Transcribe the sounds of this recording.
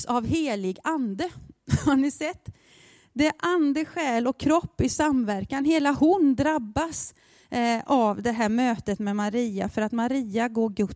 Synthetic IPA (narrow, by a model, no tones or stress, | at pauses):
savɦeːlɪɡand̪əhaɾnɪsɛt̪ː | d̪ɛʔand̪əɧɛːlɔkʰːɾɔpːɪsamvæɾkanɦeːlahʊnd̪ɾabːas | ʔavd̪ɛɦæːɾmøːt̪ət̪mɛmaɾiːafœɾat̪maɾiːaɡoːɾɡɵ